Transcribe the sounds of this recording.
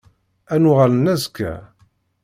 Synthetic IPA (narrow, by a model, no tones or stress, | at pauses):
ænuʁalənːæzkːæ̰